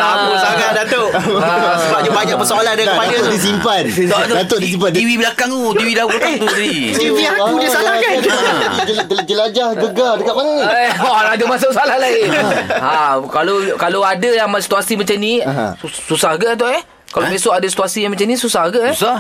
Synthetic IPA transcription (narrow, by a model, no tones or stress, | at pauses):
akusaɡadat̪oʔsəbap̚d͡ʒəbaɲaʔpəsaalandakəpajadisimpat̪̚ɔʔat̪dat̪oʔdis̬impat̪iwibəlakaŋut̪iwidakut̪at̪ui | tt̪iwiakudiasalahɡa | əd͡ʒəlad͡ʒahɡəɡadəkaʔmananiaad͡ʒamas̬oʔsalahlaiakalokaloadajaŋmsi̥t̪uasimat͡ʃanḭ̃ususahɡəʔat̪̬ɔʔɛh | kalomesoʔadasi̥t̪uasijamat͡ʃanĩsusahɡəʔsah